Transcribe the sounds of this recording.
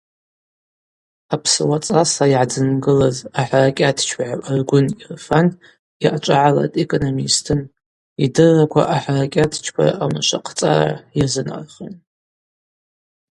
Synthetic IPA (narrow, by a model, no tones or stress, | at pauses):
apʰsɨwat͡sʼasaiʕad͡zɨnɡɨlazaħarakʲʼatʰt͡ʃʰpʕaʔarɡʷʊnirfan | iʔat͡ʃʷʼaʕala̰tʼekʼonomistʰɨn | idɨrːakʷʰa̰ʔaħarakʲʼatʰt͡ʃʰpʷʰa̰ra̰ʔamaʃʷaqʰt͡sʼa̰ra̰jazɨna̰rχḭn